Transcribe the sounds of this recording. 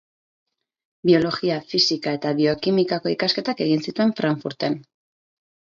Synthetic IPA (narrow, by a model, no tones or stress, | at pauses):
bio̞lo̞ɣiafisikae̞t̪aβio̞kimikako̞ikaske̞t̪ake̞ɣinsit̪ue̞ɱfɾaɱfuɾt̪e̞n